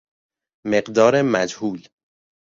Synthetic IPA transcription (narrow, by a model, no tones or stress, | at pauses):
meɢd̪ɒːɾemæd͡ʒhuːl